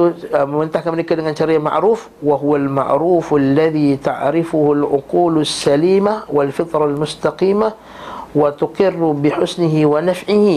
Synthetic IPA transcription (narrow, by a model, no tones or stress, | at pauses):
mɪnt̪aħkamnɪkːaldɪŋanʃɑɾiːama̰ʕɾuːf | waɦʊwalma̰ʕɾuːfalːaðit̪aʕɾɪfʊhʊlʕʊquːlasːaliːmawɪlfɪt̪ˤɾˤɑlmʊst̪ɑqiːma | wɪt̪ʊqɪrːbɪħʊsnɪɦɪwanafʕɪh